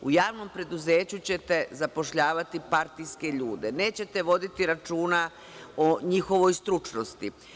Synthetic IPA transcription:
ujaːʋno̞mpɾe̞d̪uzeːt͡ɕut͡ɕe̞t̪e̞zapo̞ʃʎaːʋat̪ipaɾt̪ijske̞ʎuːd̪ene̞ːt͡ɕe̞t̪e̞ʋo̞d̪it̪iɾat͡ʃuːna | oɲixo̞ʋo̞jst̪ɾut͡ʃno̞st̪i

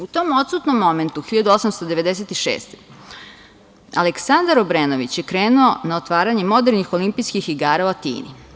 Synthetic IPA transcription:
ut̪omo̞t̪sut̪nomːo̞me̞nt̪uxiʎad̪uosamst̪od̪eʋe̞d̪es̬et̪iʃḛːst̪e̥ | a̰leksand̪aɾobɾenoʋit͡ɕjekɾe̞ːnuonaot̪ʋaːɾaɲe̞mo̞d̪eɾnixo̞limpijskixːiɡaːɾaot̪ḭːnḭ

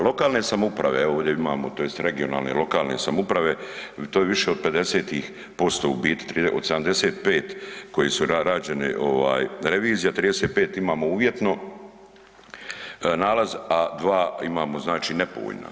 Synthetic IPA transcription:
lˠo̞kaːlˠne̞samoupɾaʋe̞o̞ːʋd̪jeima̰ːmot̪o̞jest̪ɾe̞ɡio̞na̰ːlˠnḛlo̞kaːlne̞̰samoupɾaʋe̞t̪oːjeʋiʃeod̪̚pe̞d̪e̞seːt̪iːx | po̞st̪o̞̰ubiːt̪t̪ɾiʔod̪sed̪amd̪e̞seːt̪̚peːt̪ko̞jisuaɾaːd͡ʑe̞nḭʔo̞̰ʋa̰ːjɾe̞ʋiːzijat̪ɾiːd̪eseːt̪̚pe̞ːt̪imaːmouːʋje̞t̪no̞ | naːlazad̪ʋaːimaːmo̞znaːt͡ʃiːne̞po̰o̰ʎna̰

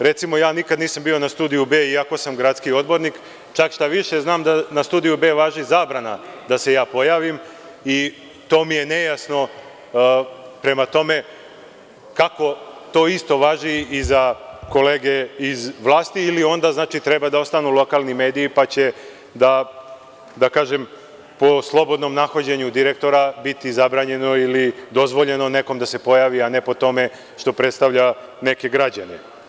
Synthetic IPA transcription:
ɾe̞t̪simo̞jaːnikad̪niːsambiːo̞nast̪uːd̪ijubeːiako̞samɡɾat̪skio̞d̪bo̞ɾnik | t͡ʃakʃt̪aʋiʃe̞znaːmd̪anast̪uːd̪ijube̞ːʋaːʒizaːbɾana̰d̪asejaːpo̞jaːʋim | i | t̪o̞ːmije̞ne̞jasno̞ | pɾe̞mat̪o̞me̞ | kako̞t̪o̞ːist̪o̞ʋaːʒiizako̞leːɡe̞izʋlˠaːst̪iːlio̞nd̪aznaːt͡ʃit̪ɾebad̪ao̞st̪anulo̞kalˠnimeːd̪iːpat͡ɕe̞ | d̪a | d̪akaːʒem | po̞slˠo̞bo̞d̪no̞mnaxod͡ʑeɲud̪iɾe̞k̚t̪o̞ɾabit̪izabɾaːɲe̞no̞ilid̪o̞zʋo̞ʎe̞no̞ne̞ko̞md̪ase̞po̞jaːʋiane̞po̞t̪o̞me̞ | ʃt̪o̞pɾe̞t̪st̪aʋʎa | ne̞ke̞ɡɾad͡ʑane

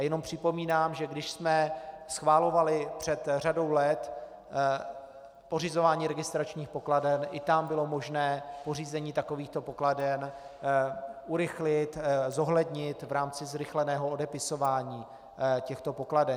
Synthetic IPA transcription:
jɛno̞mpr̝̥ɪpo̞miːnaːmʒɛɡdɪʃsmɛ | sxvaːlo̞valɪpr̝̥ɛt̪r̝ado̞wlɛt̪ | po̞rɪzo̞vaːɲiːɾɛɡɪst̪ɾat͡ʃɲiːxpo̞kladɛnʔɪt̪ambɪlo̞mo̞ʒnɛːpo̞riːzɛɲiːt̪ako̞viːxt̪o̞po̞kladɛn | ʔuɾɪxlɪt̪zo̞ɦlɛdɲɪt̪vɾaːmt͡sɪzɾɪxlɛnɛːɦoodɛpɪso̞vaːɲiː | cɛxt̪o̞po̞kladɛ

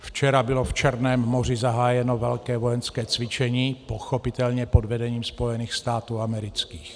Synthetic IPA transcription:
ft͡ʃɛɾabɪloft͡ʃɛɾnɛːmːor̝ɪzaɦaːjɛnovɛlkɛːvojɛnskɛːt͡svɪt͡ʃɛɲiːpoxopɪt̪ɛlɲɛpodvɛdɛɲiːmspo̞jɛniːxst̪aːt̪uːamɛɾɪt͡skiːx

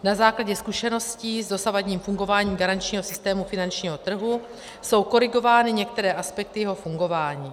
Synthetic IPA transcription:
nazaːklaɟɛskuʃɛno̞sciːzdo̞savaɟɲiːmfuŋɡo̞vaːɲiːmɡaɾant͡ʃɲiːɦo̞sɪst̪ɛːmufɪnant͡ʃɲiːɦo̞t̪r̩ɦu | so̞wko̞ɾɪɡo̞vaːnɪɲɛkt̪ɛɾɛːʔaspɛk̚t̪ɪjɛɦo̞fuŋɡo̞vaːɲiː

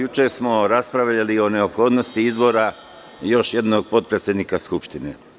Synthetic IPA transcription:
jut͡ʃesmo̞ɾaspɾaʋʎalio̞ne̞opxo̞ːd̪no̞st̪iizbo̞ːɾa | jo̞ʃje̞d̪no̞ɡ̚po̞t̪̚pɾet̪sʲjed̪nikaskupʃt̪ine

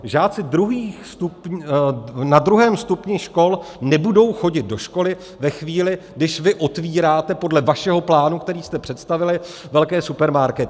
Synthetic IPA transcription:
ʒaːt͡sɪdɾuɦiːxst̪up | nad̪ɾuɦɛːmst̪upɲɪʃko̞lnɛbudo̞wxo̞ɟɪt̪̚do̞ʃko̞lɪ | vɛxviːlɪɡdɪʃvɪʔo̞t̪viːɾaːt̪ɛpo̞dlɛvaʃɛɦo̞plaːnukt̪ɛɾiːst̪ɛpr̥ɛt̪st̪avɪlɪ | vɛlkɛːsupɛɾmaɾkɛt̪ɪ

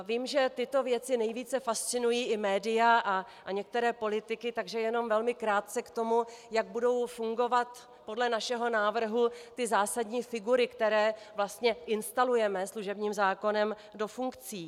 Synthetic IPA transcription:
viːmʒɛt̪ɪt̪o̞vjɛt͡sɪnɛjviːt͡sɛfast̪t͡sɪnujiːʔɪmɛːdɪjaʔa | ʔɲɛk̚t̪ɛɾɛːpo̞lɪt̪ɪkɪt̪aɡʒɛjɛno̞mvɛlmɪkɾaːt̪̚t͡sɛkt̪o̞mujaɡ̚budo̞wfuŋɡo̞vat̪ | po̞dlɛnaʃɛɦo̞naːvr̩ɦut̪ɪzaːsadɲiːfɪɡuɾɪkt̪ɛɾɛːvlast̪ɲɛʔɪnst̪alujɛmɛsluʒɛbɲiːmzaːko̞nɛm | do̞fuŋkt͡siː

